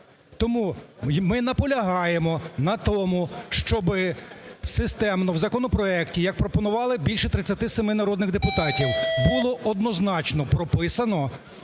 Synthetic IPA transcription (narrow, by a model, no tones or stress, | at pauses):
t̪ɔmumɪnɐpɔlʲɐɦɑjemɔnɐt̪ɔmuʃt͡ʃɔbɪsɪst̪ɛmnɔwzɐkɔnɔpɾɔɛktʲijɐk̚pɾɔpɔnʊʋɑlˠɪbʲilʲʃɛt̪ɾɪt͡sʲːɐt̪ɪsemɪnɐɾɔd̪nɪɣd̪epʊt̪ɑtʲiwbʊlˠɔʔɔd̪nɔznɑt͡ʃnɔpɾɔpɪsɐnɔ